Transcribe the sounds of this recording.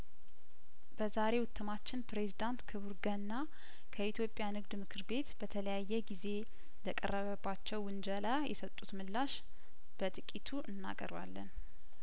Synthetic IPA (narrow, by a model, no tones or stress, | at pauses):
b̥əzaɾe̞wʊt̪ʰːɨmat͡ʃːɪnpɾe̞zid̪ant̪kʰəβuɾɡənːa | kʰəit̪ʰjo̞pʼjanɨɡd̪mɨkʰɨɾbe̞t̪b̥ət̪ʰələjajːɛɡize̞ | ləkʼə̰rːəβəbːat͡ʃːɛwːɨnd͡ʒəlajɛ̰sət̪ʼːut̪mɨlːaʃ | b̥ət̪ʼɨkʼit̪ʰuʔɨnːa̰kʼə̰ɾwa̰lːən